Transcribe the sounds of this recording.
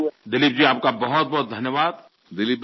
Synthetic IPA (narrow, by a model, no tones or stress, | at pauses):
d̪ɪlip̚d͡ʒiːaːp̚kabɔɦɔt̪̚bɔɦɔt̪̚d̪ʱɐnjəʋaːd̪ | d̪ɪlip̚